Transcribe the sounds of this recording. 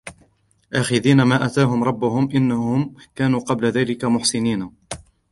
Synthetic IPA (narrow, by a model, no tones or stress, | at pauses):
ʔaːxɪðiːnamaːʔat̪aːɦʊmɾˤɑbːʊhʊmʔɪnːahʊmkaːnuːqɑblaðaːlɪkamʊħsɪniːna